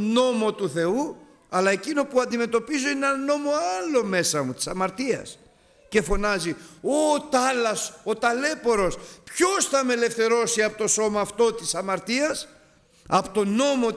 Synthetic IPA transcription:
no̞mo̞t̪uθe̞u | ɐlɐe̞cino̞puɐnd̪ime̞t̪o̞pizo̞ieneɐnno̞mo̞ɐlo̞me̞sɐmut̪i̥sɐmɐɾt̪iɐ̰s | ce̞fo̞nɐziot̪ɐlɐsot̪ɐle̞po̞ɾo̞spço̞sθɐme̞le̞fθe̞ɾo̞siɐpot̪o̞so̞mɐːft̪o̞t̪isɐmɐɾt̪iɐs | ɐpot̪o̞no̞mo̞

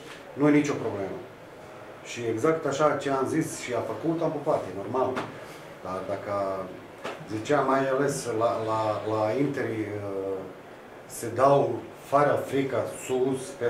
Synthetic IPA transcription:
nujenit͡ʃopɾobleːmə | ʃieɡzakt̪aʃat͡ʃeamzisʃiafakult̪ampopat̪enormal | d̪̥ad̪aka | zit͡ʃeamːajaleslalalaint̪eɾi | sed̪aw | faɾafɾikasuspe

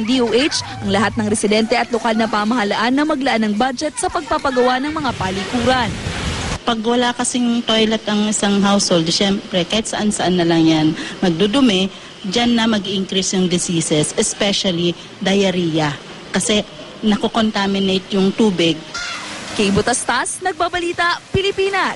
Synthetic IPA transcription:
ŋd̪iowʔejt͡ʃʔɐŋlɐɦat̪̚nɐŋɾɛsɪd̪ɛnt̪ɛʔɐt̪̚lokalnɐpaːmɐɦɐlaʔanːɐmɐɡlɐʔanːɐŋbad͡ʒɛt̪̚sɐpɐɡ̚papɐɡɐwanɐŋmɐŋapalɪkuːɾɐnpɐɡwɐlakɐsɪŋŋt̪ojlɛt̪ɐŋʔɪsaŋɦawshold̪ʃɛmpɾɛkahɪt̪̚sɐʔansɐʔanːɐlɐŋjanmɐɡ̚d̪od̪ʊmɛ | d͡ʒanːɐmɐɡiʔɪŋkɾisnɐŋd̪ɪsiːsɛsɛspɛʃɐli | d̪ɐjɐɾiːjɐ | kɐsɛ | nɐkoko̞nt̪amɪnejt̪̚jʊŋt̪uːbɪɡ̚kɐjbʊt̪ɐst̪asnɐɡ̚babɐliːt̪ɐpɪlɪpiːnɐ

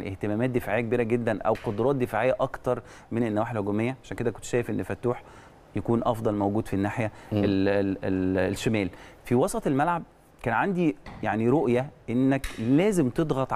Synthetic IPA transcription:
ḭʔeht̪emæːmæːt̪̚d̪efaʕejːæk̚biːɾæɡed̪ːænʔæ̰wqod̪ɾˤɑːt̪̚d̪efaʕejːæʔɑkt̪ɑɾˤ | menenːæwæːħelhoɡomejːæʕaʃæːnked̪ækont̪ʃæːjefʔenːfæt̪ːuːħ | jækuːnʔɑfd̪ˤɑlmæwɡuːd̪finːaːħjæeeʃːemæːlfiwɑsˤɑt̪ˤelmælʕab̚ | kæːnʕand̪ijaʕniɾoʔjæʔenːæklæːzemt̪ed̪ˤɣɑt̪ˤʕ

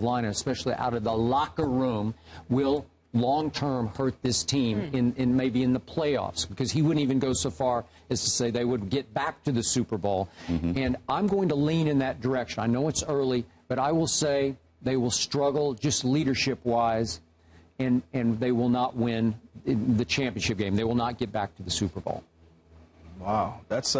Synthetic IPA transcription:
vlãɪ̃nəɨspɛʃl̩ˠiʔa̰ʊɾʌvðəlɑkə˞ɹũmwɪlˠ | lɔ̃ŋtʰɜ̃˞mhɜ˞t̪̚ðɪstʰĩmɪ̃nɨ̃nmeɪbiɨ̃nðəpʰl̥eɪɔ̰fsb̥ɨkʰʌz̥iwʊdⁿn̩tivɨ̃nɡoʊsoʊfɑɹ | ɨz̥tʰɨseɪðeɪwəd̚ɡɛt̚b̥æk̚tʰɨðɨsʉpə˞bɔlˠɨ̃nʔãɪ̃mɡoʊɪ̃ŋtəlĩnɨ̃nðɨt̚d̥ə˞ɛkʃɨ̃naɪnoʊɨtsɜ˞lˠib̥ʌɾaɪwɪlˠseɪ | ðeɪwəlˠstɹ̥ʌɡl̩ˠd͡ʒʌstˡliɾə˞ʃɪpwaɪz | ɨ̃nɨ̃nðeɪwɪlˠnət̚wɪ̃nðɨt͡ʃʰæ̃mpiɨ̃nʃɨp̚ɡ̥ẽɪ̃mðeɪwəlˠnət̚ɡ̥ɛt̚b̥æk̚tʰɨðɨsʉpə˞bɔ̰lˠ | waʊðæts

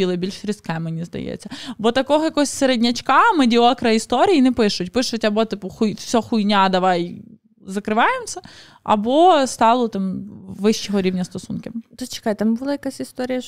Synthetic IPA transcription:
ilˠɪbʲilʲt͡ʃɾʲɪsʲkɛmːɐnʲizd̪ɐ̰jɛ̰t͡sʲːɐbɔt̪ɐkɔɦɔjɐkɔɔsʲseɾedʲnʲɐt͡ʃkɑmɐdʲiokɾɐist̪oɾʲijinɛpɪʃʊtʲpɪʃʊtʲɐbɔt̪ɨpʊxujfsʲɔxʊjnʲad̪ɐʋɑj | zɐkɾɪʋɑjɪmsʲɐ | ɐ̰bɔst̪ɑlˠɔt̪ɑmʋɪʃːɪɦɔɾʲiʋnʲɐst̪ɔsunkɪmt̪osʲt͡ʃɪ̥kajt̪ambʊlˠajɐkasʲɪst̪oɾʲɪjɐ

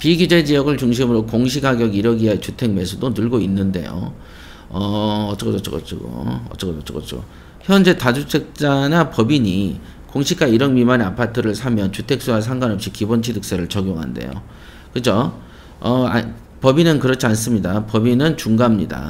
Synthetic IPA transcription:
piɡid͡ʑe̞d͡ʑijʌɡɯɭt͡ɕuŋɕ̬ʰimɯɾokoŋɕʰiɡaɡjʌɡiɾʌɡiɦat͡ɕutʰe̞ŋme̞sʰudonɯɭɡoinːɯnde̞̰jo̰ | ʌʌt͡ɕ͈ʌkʌʌt͡ɕ͈ʰo̰kʌ̰t͡ɕ͈ʰo̰ɡo̰ʌ̰t͡ɕ͈ʌkʌʌt͡ɕ͈ʰok͈ʌt͡ɕ͈ʰo̰ | çjʌnd͡ʑe̞tad͡ʑut͡ɕʰek̚t͡ɕ͈anapʌbiɲi | koŋɕʰik͈̚aiɾʌnmimaneapʰatʰɯɾɯɭsʰamjʌnt͡ɕutʰe̞k̚s͈uasʰaŋɡwanʌp̚ɕ͈ikibont͡ɕʰidɯk̚s͈eɾɯɭt͡ɕʌɡjoŋɦa̰nde̞̰jo̰ | kɯd͡ʑo | ʌa̰ | pʌbinɯnkɯɾʌt͡ɕʰians͈ɯmɲidapʌbinɯnt͡ɕuŋɡamɲida̰

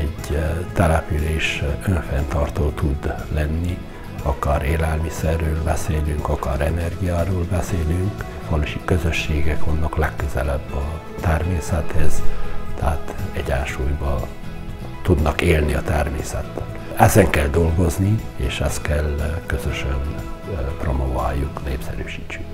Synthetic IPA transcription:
ɛɟt̪ɛlɛpyleːʃøɱfɛnt̪ɒrt̪oːt̪ud̪lɛnːi | ɒkɒɾeːlɛlmisɛrːøːlbɛseːlyŋkɒkɒɾɛnɛrɡijaːɾoːlbɛseːlyŋk | ʋɒloʃikø̞zøʃːeːɡɛkʋɒnːɒklɛkːøzɛlɛbːɒ | t̪ɛrmeːsɛt̪hɛzt̪ɛɦat̪ɛɟaːʃuːjbɒ | t̪ud̪nɒkeːlniɒt̪ɛrmḛːsɛt̪ːøl | ɛzɛŋkɛld̪o̞lɡo̞znieːʃɛst̪kɛlkø̞zøʃønpro̞mova̰ːjːukneːpsɛ̰ɾyːʃiːt͡ʃːyŋk

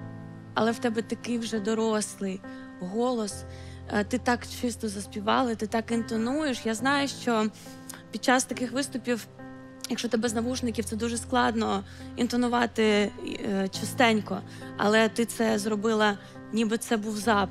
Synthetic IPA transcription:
ɐ̰lˠɛwt̪ɛbɛt̪ɐkɪjwʒɛd̪ɔɾɔslˠɪj | ɦɔlˠɔs | t̪ɪt̪ɑkt͡ʃɪst̪ɔzɐsʲpʲiʋɑ̰lˠɪt̪ɪt̪ɑkint̪ɔnujeʃjaznɑjʊʃt͡ʃɔ | pʲid̪̚t͡ʃɑst̪ɐkɪxʋɪst̪ʊpʲiw | jɐkʃɔt̪ɪbɛznɐʋuʒnɪkʲiwt̪sɛd̪uʒɛsklˠɑd̪nɔint̪ɔnʊʋɑt̪ɪ | t͡ʃɐst̪ɛnʲkɔ | ɐ̰lˠɛt̪ɪt̪sɛzrɔbɪlˠɐ | nʲibɪt̪sɛbuwzɑ

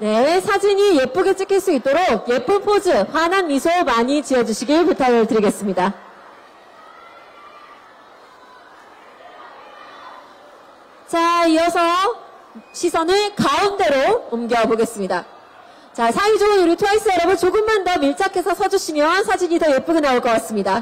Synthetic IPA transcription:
ne̞sʰad͡ʑiɲije̞p͈oɡet͡ɕ͈ɯkʰiɭs͈uit̚t͈oɾok̚je̞p͈umpʰod͡ʑɯɸwananmisʰomaɲit͡ɕijʌd͡ʑuɕʰiɡiɭputʰaɡɯɭtɯɾiɡe̞s͈ɯmɲida | t͡ɕaiʌsʰʌ | ɕʰisʰʌnɯɭkaɯnde̞ɾoumɡjʌboɡe̞s͈ɯmɲida | t͡ɕasʰaid͡ʑoɯnuɾitʰuais͈ʰɯjʌɾʌbɯnt͡ɕoɡɯmːandʌmiɭt͡ɕʰakʰe̞sʰʌsʰʌd͡ʑuɕʰimjʌsʰad͡ʑiɲitʌje̞p͈uɡinaoɭk͈ʌk͈as͈ɯmɲida

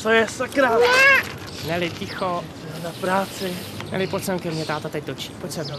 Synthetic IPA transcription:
t͡sojɛsakɾa | nɛlɪcɪxo | ɛnapɾaːt͡sɪ | nɛ̰lɪposɛmkɛmɲɛt̪aːt̪at̪ɛc̚t̪ot͡ʃi̥ːposɛ

